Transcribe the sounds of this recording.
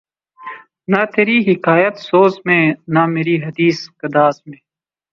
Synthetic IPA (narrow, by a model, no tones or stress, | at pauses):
nat̪ʰeːɾiːɦɪkaːjət̪soːzmẽːnameːɾiːɦɐd̪iːskɐd̪aːzmẽː